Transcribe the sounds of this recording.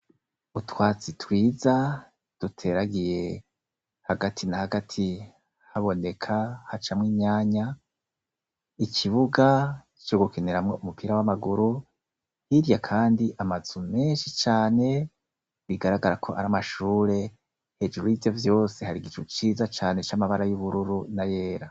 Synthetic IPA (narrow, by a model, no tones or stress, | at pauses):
utwaːt͡sitwiːza | d̥utʰe̞ɾaɡije̞ | haɡatʰinahaɡatʰi | haβo̞nekʰahat͡ʃamŋiːɲaːɲa | ikʰiβuɡa | i̥t͡ʃoɡukeneɾamŋo̞ʔumupʰiːɾawamaɡuɾu | hiɾjakʰaːndiʔamazume̞ːnʃit͡ʃaːne̞ | βiɡaɾaɡaɾakʰo̞ʔaɾamaʃuːɾe̞ | he̞d͡ʒuɾuivjo̞vjo̞ːse̞haɾiɡit͡ʃut͡ʃiːzat͡ʃaːne̞t͡ʃamaβaɾajuβuɾuɾunaje̞ːɾa